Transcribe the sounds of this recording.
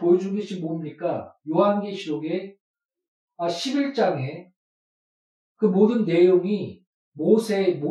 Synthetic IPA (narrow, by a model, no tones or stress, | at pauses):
pojod͡ʑuɡeɕʰinmoɯmɲik͈ajoɦanɡeɕʰiɾoɡe̞ | aɕʰibiɭt͡ɕ͈aŋe̞ | kɯmodɯnːe̞joŋi | mosʰe̞mo